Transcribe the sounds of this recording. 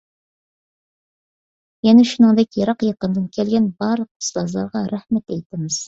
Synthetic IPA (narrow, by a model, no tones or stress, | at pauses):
jɛnɛʃunɨŋd̪ɛkʲjɑɾɑqjɑqənd̪ɨnkʲʰɛlɡʲɛnbɑɾlˠəq̚ʰə̥slˠɑzlˠɑɾʁɑɾæhmɛt̪ɛjt̪ɪmɪz̥